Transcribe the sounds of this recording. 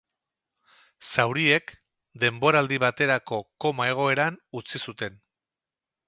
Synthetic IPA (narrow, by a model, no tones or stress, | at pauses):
sawɾie̞k | d̪e̞mbo̞ɾald̪iβ̞at̪e̞ɾako̞ko̞mae̞ɣ̞o̞e̞ɾanut͡sisut̪e̞n